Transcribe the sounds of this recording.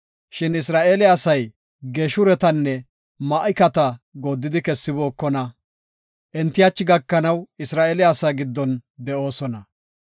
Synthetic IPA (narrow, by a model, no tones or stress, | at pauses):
ʃɪnɪsɾaːʔeːlɪasɐj | ɡeːʃʊɾɛt̪ɐnːɛ | mɐʔɪkɐt̪ɐɡo̞ːd̪ːɪd̪ɪkɛsːɪboːkːɔnɐ | ʔɛnt̪ːɪjat͡ʃːɪɡɐkːɐnɐwɪsɾaːʔeːlɪaːsaːɡɪd̪ːɔnd̪ɛʔo̞ːsɔnɐ